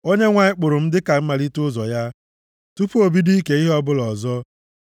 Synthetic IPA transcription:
o˦ɲe˦ŋʷa˨ɪ˦k͡pʊ˨ɾʊ˨m̩˦dɪ˦ka˨m̩˦ma˨li˦tʊ˦zɔ˨ja˦ | tu˦pu˦o˨bi˦di˦ke˨˦i˦ɦɔ˦bʊ˦lɔ˨zɔ˦

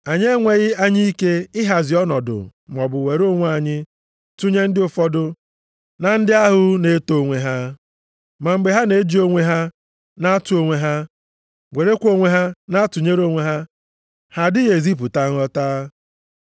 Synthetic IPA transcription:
a˨ɲ˦e˦ŋʷe˨ɣɪ˦a˦ɲi˦i˦ke˦ɪ˦ɦa˨zɪ˨ɔ˦nɔ˨dʊ̰˨m̩˨ɔ˨bʊ˨we˨ɾo˦ŋʷ˦a˨ɲɪ˦ | tu˦ɲe˦n̩˦dɪ˦ʊ˨fɔ˦dʊ˦ | na˨n̩˦dɪ˦a˦ɦʊ˦ne˨˦to˨o˦ŋʷe˨ɦa˦ | ma˨ŋ͡m̩˨ɡ͡be˨ɦa˦ne˨˦d͡ʒi˦o˦ŋʷe˦ɦa˦ | na˦a˦tu˨˦o˨ŋʷe˦ɦa˦ | ɡʷe˨ɾe˦kʷo˦ŋʷe˦ɦa˦na˦a˦tʊ˨ɲe˦ɾo˦ŋʷe˨ɦa˦ | ha˨dɪ˦ɣe˨zi˦p̬ʊ˨ta˦ŋ̩˦ɔ˦taː˦

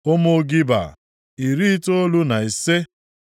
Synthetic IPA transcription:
o˦mo˦ɡi˦ba̰˨ | i˨ɾi˦to˦lu˦na˨e˨se˦

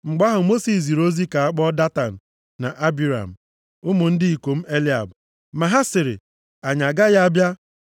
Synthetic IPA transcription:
ŋ͡m̩˨ɡ͡ba˦ɦʊ˨mo˦si˨s̬i˨ɾo˦zi˦ka˨a˦k͡pɔ˦da˦ta˨n̩˨ | na̰˨ʔa˦bi˨ɾa̰˨m̩˨ | ʊ˦mʊ˨n̩˦dɪ˦i˨kʷo˨m̩˦e˦li˦a̰˨b | ma˨ɦa˦sɪ˨ɾɪ̰˨ | a˨ɲa˨ɡa˦ɣa˦a˦bja˦

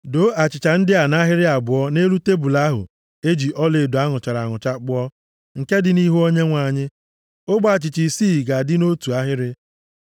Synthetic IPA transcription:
do˦ʔa˨t͡ʃɪ˨t͡ʃa˨n̩˦dɪ˦a˨na˦ɦɪ˦ɾɪ˦a˨bʊ˨ɔ˦ne˦ɾu˦te˦bu˨la˦ɦʊ̰˨ | e˦d͡ʒi˨ʔɔ˦le˨do˨a˦ŋʊ˨t͡ʃa˨ɾa˨ŋʊ˨t͡ʃa˦k͡pʊ˦ɔ˦ | ŋ̩˨ke˦dɪ˨ni˦ɦu˦o˦ɲe˦ŋʷa˨ɲɪ˦ | ʊ˦ɡ͡ba˨t͡ʃɪ˨t͡ʃi˨siː˦˨ɡa˨dɪ˦no˦tu˨a˦ɦɪ˦ɾɪ˦

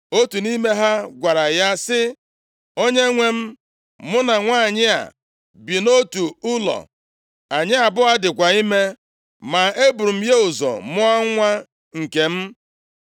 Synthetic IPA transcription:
o˦tu˨ni˦me˦ɦa˦ɡʷa˨ɾa˨ja˦sɪ˦ | o˦ɲe˦ŋʷe˦m̩˦ | mʊ˦na˨ŋʷa˦˨ɲɪ˦a̰˨ | bi˨no˦tu˨ʊ˦lɔ̰˨ | a˨ɲɪ˦a˨bʊ˦a˦dɪ˨kʷa˨i˦me˦ | ma˨e˦bu˨ɾm̩˦je˦ʊ˨zɔ̰˨mʊ˦a˦ŋʷa˦ | ŋ̩˨ke˨m̩˦

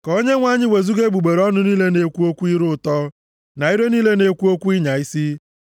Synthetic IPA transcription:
ko˦ɲe˦ŋʷa˦ɲɪ˦we˨zu˦ɡe˦ɡ͡bu˨ɡ͡be˨ɾɔ˦nʊ˦niː˦le˦ne˨kʷu˦o˦kʷu˦i˦ɾʊ˦˨tɔ˦ | na˨i˦ɾe˦niː˦le˦ne˨kʷu˦o˦kʷu˦i˦ɲa˨i˦si˦

